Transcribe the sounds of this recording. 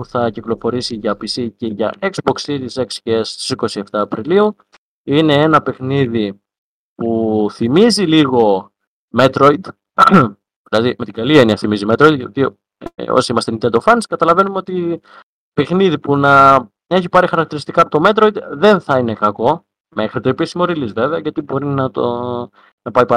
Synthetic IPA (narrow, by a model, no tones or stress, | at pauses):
puθɐciklo̞fo̞ɾisiʝɐpisice̞ʝɐ̰ʔekzbo̞ksitiseksçest̪i̥siko̞sie̞ft̪ɐːpɾiliu | ine̞enɐpe̞xniði | puθimiziliɣo̞ | me̞t̪ɾo̞id̪ | ðilɐðimet̪iɡɐlieniɐθimizime̞t̪ɾo̞id̪ʝɐt̪i | o̰siimɐst̪enit̪ed̪ofɐniskɐt̪ɐlɐve̞numeo̞t̪i | pe̞xniðipunɐ | e̞çipɐɾixɐɾɐk̚t̪iɾist̪ikɐːpot̪ome̞t̪ɾo̞id̪ðe̞nθɐine̞kɐko̞ | me̞xɾit̪eːpisimo̞ɾilizve̞veɐʝɐt̪ibo̞ɾinɐt̪o | nɐpɐipɐ